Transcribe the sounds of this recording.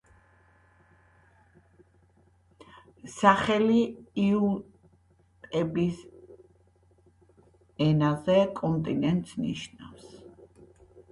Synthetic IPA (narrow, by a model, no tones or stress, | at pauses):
saχɛliiu | t̪ʼɛbis | ɛnazɛkʼɔnt̪ʼinɛnt̪ʼsnḭʃna̰fs